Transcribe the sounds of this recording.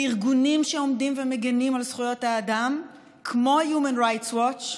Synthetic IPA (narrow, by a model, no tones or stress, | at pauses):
iʁɡunimʃeomdimvemeɡenimalsχujo̞thaːdam | kʰmo̞jumanʁajtswot͡ʃ